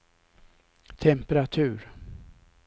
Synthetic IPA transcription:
t̪ʰɛmpəɾat̪ʰʉ̟ːɾ

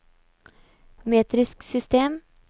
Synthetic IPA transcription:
meːt̪ɾɪsksʏst̪eːm

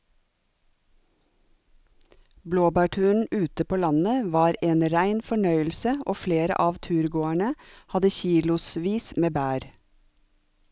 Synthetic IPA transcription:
bloːbæːʈʰʉːɳ̩ʉːt̪əpʰoːlɑnəʋɑːɾeːnɾæɪnfɔɳœʏəlsəʔoːfleːɾə̰ʔɑːʋt̪ʰʉːɾɡoːæɳəhɑd̪əçiːlʊsʋiːsmeːbæːɾ

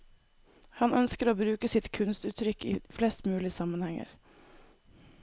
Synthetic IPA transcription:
hɑnœnskəɾoːbɾʉːkəsɪt̪kʰʉnst̪ʉːt̪ʰɾʏkḭːflɛst̪mʉːlɪsɑmənhɛŋə̰ɾ

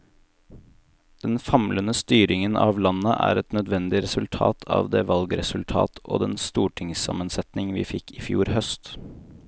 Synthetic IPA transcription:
d̪̥ɛnfɑmlənəst̪yːɾɪŋənʔɑːʋlɑnːəʔæ̰ːɾɛt̪nœd̪ʋɛnd̪ɪɾɛsʉlt̪ʰɑ̰ːt̪ʰɑ̰ːʋd̪eːʋɑlɡɾɛsʉlt̪ʰɑ̰ːt̪o̰ːd̪ɛnst̪uːʈʰɪŋsɑ̰mənsɛt̪nɪŋʋiːfɪkːɪfjṵːɾhœst̪

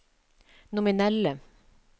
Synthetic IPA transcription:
nʊmɪnɛlə

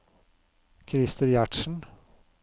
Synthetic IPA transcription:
kʰɾɪst̪əɾjæʈʃn̩

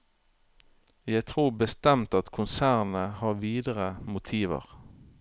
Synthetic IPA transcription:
jæɪt̪ʰʁuːbəst̪ɛmt̪ɑt̪kʰʊnsæːʁnəhɑːʁʋiːd̪əʁəmʊt̪ʰiːʋə̰ʁ

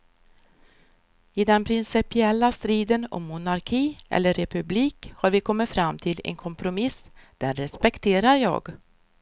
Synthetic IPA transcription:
ɪd̪ɛnpʰɾɪnsɪpɪɛlːast̪ɾiːd̪ənɔ̰mːʊnaɾkʰiːʔɛ̰lːəɾːɛpɵbliːkhaɾvɪkʰɔmːɪt̪fɾamːt̪ʰɪlɛ̰nkʰɔmpɾʊmɪsd̪̥ɛnɾɛspɛkt̪ʰeːɾaɾjɑ̰ːɡ

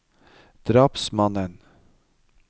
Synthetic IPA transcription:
d̪̥ɾɑːpsmɑnən

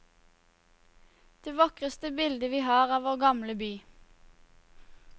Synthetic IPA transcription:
d̪̥eːʋɑkʁəst̪əbɪld̪əʋiːhɑːʁɑːʋoːʁɡɑmləbyː

